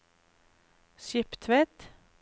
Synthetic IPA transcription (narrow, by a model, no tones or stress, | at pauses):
ʃɪpt̪ʰʋɛt̪